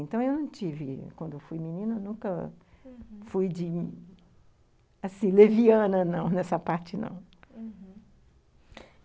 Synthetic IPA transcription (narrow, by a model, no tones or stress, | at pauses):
ẽnt̪ɐ̃w̃ewnɐ̃w̃t͡ʃivɪkwɐ̃d̪ʊewfujmĩnĩnɐnũkɐ | fujd͡ʒɪ | asĩleviɐ̃nɐnɐ̃w̃nɛsɐpaɾt͡ʃɪnɐ̰̃w̃